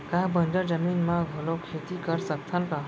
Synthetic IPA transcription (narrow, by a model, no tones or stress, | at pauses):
kaɦbənd͡ʒəɾd͡ʒəminmaɡʱolokʰet̪ikəɾsək̚t̪ʰanka